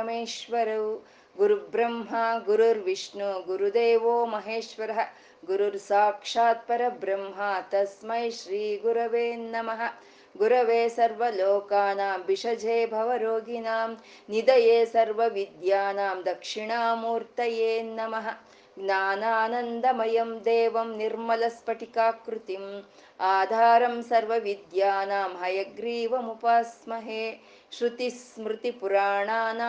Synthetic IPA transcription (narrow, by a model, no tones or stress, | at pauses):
ɐmeːʃʋɐɾɐʋ | ɡuɾubɾɐmɦaːɡuɾuɾʋiʂɳuɡuɾud̪eːʋoːmɐɦeːʃʋɐɾɐɦɐ̆ | ɡuɾuɾsaːkʂaːt̪̚pɐɾɐbɾɐmɦaːt̪ɐsmɐjʃɾiːɡuɾɐʋeːnnɐmɐɦɐ̆ | ɡuɾɐʋeːsɐɾʋɐloːkaːnaːmʋiʂɐd͡ʒeːbʱɐʋɐɾoːɡinaːm | nid̪ɐjeːsɐɾʋɐʋid̪jaːnaːmd̪ɐkʂiɳaːmuːɾt̪ɐjeːnɐmɐɦɐ̆ | ɡnaːnaːnɐnd̪ɐmɐjɐmd̪eːʋɐmniɾmɐlɐspɐʈikaːkɾut̪im | aːd̪ʱaːɾɐmsɐɾʋɐʋid̪jaːnaːmɦɐjɐɡɾiːʋɐmupaːsmɐɦeː | ʃɾut̪ismɾut̪ipuɾaːɳaːnaː